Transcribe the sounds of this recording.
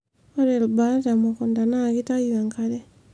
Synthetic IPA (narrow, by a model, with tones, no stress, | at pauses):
ɔ˦ɾe˨lba˦ta˨mɔ˨kɔ˨nda˨na˦˨ki˦ta˦jua˨ŋkʰa˦ɾɛ˦